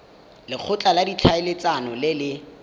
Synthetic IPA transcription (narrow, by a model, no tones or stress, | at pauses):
lɪk͡xʰʊt͡ɬʼaladit͡ɬʰaɪlɪt͡sanɔlɪlɪ